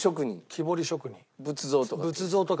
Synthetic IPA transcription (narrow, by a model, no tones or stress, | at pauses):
ɕokɯ̟ɲ̟ḭ̃kʲʰibo̞ɾʲiɕo̞kɯ̟ɲ̟ĩbɯt͡sɨzo̞ːt̪okbɯ̟t͡sɨzo̞ːt̪ok